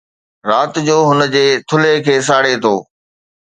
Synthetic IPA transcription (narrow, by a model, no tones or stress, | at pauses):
ɾaːt̪d͡ʑoːɦʊnəd͡ʑeːt̪ʰʊlekʰeːs̬aːɽet̪ʰoː